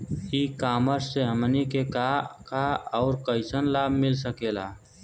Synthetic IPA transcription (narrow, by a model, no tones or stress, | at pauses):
ikaːməɾseɦəmnikekakaɔːɾkəɪsənlaːbʱmɪls̬əkeːlaː